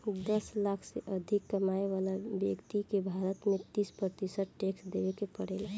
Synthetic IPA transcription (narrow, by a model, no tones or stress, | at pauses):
d̪əslakʰseʔəd̪ʱikːəmajʋaːlabjəkt̪ikebʱaɾət̪mẽt̪ispɾət̪isəʈ̚ʈeksd̪eʋekepəɽeːla